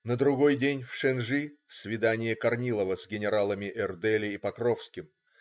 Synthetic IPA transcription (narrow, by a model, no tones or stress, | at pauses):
nəd̪ɾʊɡo̞jdʲenʲfʂɛnʐɨsvʲɪd̪anʲɪjəkɐrnʲilˠəvəzɡʲɪnʲɪɾalˠəmʲɪʔɛrd̪ɛlʲɪipɐkɾofskʲɪm